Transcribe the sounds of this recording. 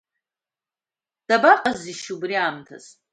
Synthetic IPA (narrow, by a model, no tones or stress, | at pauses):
d̥abaqʼaziʃubriaːmtʰa̰z